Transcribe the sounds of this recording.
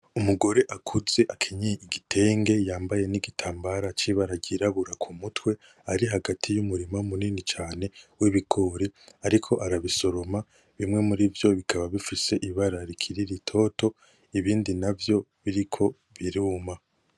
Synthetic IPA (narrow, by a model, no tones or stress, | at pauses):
umuɡo̞ɾe̞ʔakʰuze̞ʔakʰiɲiiɡitʰe̞ːŋɡe̞jaːmbaje̞niɡitʰaːmbaɾat͡ʃiβaɾaɟiɾaβuɾakʰumutwe̞ | aɾiɦaɡatʰijumuɾimaumuninit͡ʃaːne̞wiβiɡo̞ːɾiaɾikʰo̞ʔaɾaβiso̞ɾo̞ma | βimŋe̞muɾivjo̞βikʰaβaβifise̞ʔiβaɾaɾikʰiɾiɾitʰo̞ːto̞ | iβiːndinavjo̞βiɾikʰo̞ | βiɾuːma